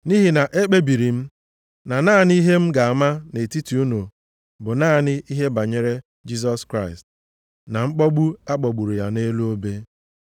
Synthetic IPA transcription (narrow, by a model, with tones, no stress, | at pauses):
ni˦ɦi˨na˨ʔe˦k͡pe˦bi˨ɾi˨m̩˦ | na˨naː˦˨ni˦ɦe˦m̩˦ɡa˨a˨ma˦ne˨ti˦ti˨u˦no˨ | bʊ˨naː˦˨nɪ˦ʔi˦ɦe˦ba˨ɲe˨ɾe˦ | d͡ʒi˦s̬ɔ˦skɾa˦ɪ˨st | na˨ŋ͡m̩˦k͡pɔ˦ɡ͡bu˦a˦k͡pɔ˨ɡ͡bu˨ɾu˨ja˨ne˦lu˦o˦be˦